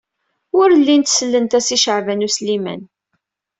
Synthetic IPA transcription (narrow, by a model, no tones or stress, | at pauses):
ʊɾlːint̪səlːənt̪æsiʃəʕvænuslimæ̰n